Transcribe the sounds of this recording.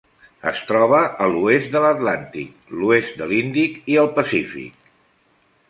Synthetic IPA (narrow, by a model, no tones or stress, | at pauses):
ə̰st̪ɾɔβ̞əʔəluezt̪d̪ələt̪lant̪ḭk | luest̪̚d̪əlind̪ikiəlˠpəsifḭk̚